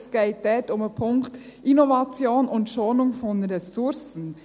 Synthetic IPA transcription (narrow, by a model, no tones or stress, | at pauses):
sɡ̥eɪt̚d̥ɛtʊməpʰʊŋkt | ʔinɔvɑt͡sjoːnʊntʃoːnʊŋfɔnɾɛsʊɾsn̩